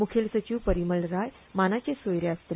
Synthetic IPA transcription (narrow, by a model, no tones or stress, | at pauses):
mukʰelsət͡ɕiwpəɾiməlɾaj | manat͡ɕesojɾjast̪ɾ